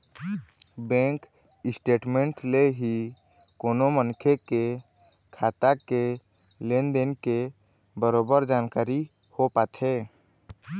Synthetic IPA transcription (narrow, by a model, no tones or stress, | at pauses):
bɛ̃ːŋk | ɪsʈeːʈmẽːɳʈleɦi | koːnomənkʰeke | kʰaːt̪ake | lend̪enke | bəɾoːbəɾd͡ʒaːnkaːɾi | hopaːt̪ɦeː